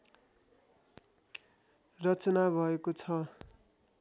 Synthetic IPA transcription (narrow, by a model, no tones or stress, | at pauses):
rʌt͡sʌnabʱʌekot͡sʰʌ